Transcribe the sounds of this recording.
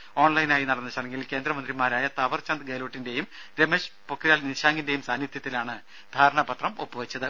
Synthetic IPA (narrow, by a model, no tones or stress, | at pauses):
o̞ːɳlɐjnaːjinɐɽɐnːit͡ɕːɐɽeŋɡilke̞ːnd̪ɾɐmɐnd̪rimaːɾaːjɐt̪ɐʋɐrt͡ɕɐnd̪ɡeloːʈːinde̞jum | ɾemeɕpokʰːijaːlniɕaːŋɡinde̞jumsaːnjit̪jɐt̪ːilaːɳɨ | d̪ʱaːɾɐɳɐbɐt̪rɐmo̞̰pːɨʋɐt͡ɕːɐðɨ